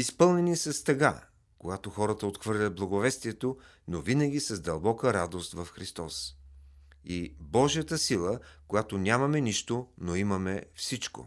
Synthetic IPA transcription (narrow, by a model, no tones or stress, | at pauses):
ispɤlˠnɛnisɐst̪ɐɡa̰ | koɡat̪oxɔɾət̪əot̪xvɤɾlʲɐt̪̚blˠɐɡovɛst̪iɛt̪o | novinəɡʲisɐzd̪ɐlˠbɔkəɾad̪ost̪vɐfxɾist̪ɔs | ibɔʒijət̪əsilˠəkojat̪onʲamɐmɛniʃt̪onoimɐmɛfsit͡ʃko̰